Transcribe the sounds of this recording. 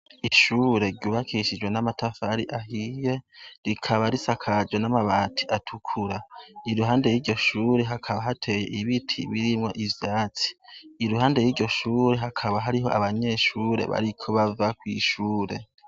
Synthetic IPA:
iʃuːɾe̞ɾɟuːβakʰiʃid͡ʒwe̞namatʰafaɾiʔahije̞ɾikʰaβaɾisakʰad͡ʒɡwe̞namaβaːtʰiʔatʰukʰuɾaiɾuɦaːnde̞jiːɾɟo̞ʃuːɾe̞ɦakʰaβaɦatʰe̞je̞ʔiβitʰḭβiɾimŋo̞ʔivjaːt͡si̥iɾuɦaːnde̞jiːɾɟo̞ʃuːɾe̞ɦakʰaβaɦaɾiɦo̞ʔa̰βaɲe̞ːʃuːɾe̞̰βa̰ɾikʰo̞βavakwḭʃuːɾe̞

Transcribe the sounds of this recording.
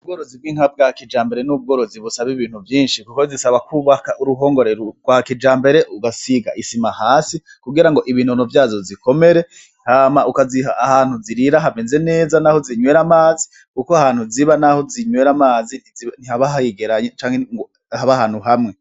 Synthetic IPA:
ub̚ɡo̞ːɾo̞ziβɡiːŋ̥hab̚ɡakid͡ʒaːmbe̞ɾe̞nub̚ɡo̞ːɾo̞ziβusaβiβiːn̥huvjiːnʃikukozisaβakuβakaʔuɾuɦo̞ːŋɡo̞ɾeɾoɡwakid͡ʒaːmbe̞ɾe̞ʔuɡasiɡa̰ʔisimahaːsi | kuɡiɾaŋɡo̞ʔiβiːn̥hunuvjaːzoziko̞me̞ɾe̞ | haːmaʔukaziɦaʔahaːn̥huziɾiɾaɦameːnze̞ne̞ːzanaho̞ziɲwe̞ːɾamaːzi̥ | kukoahaːn̥huziβanaho̞ziɲwe̞ɾamaːzinin̥ihaβaɦajiɡeɾaɲet͡ʃaːŋheŋɡo | haβahaːn̥huɦamŋe̞

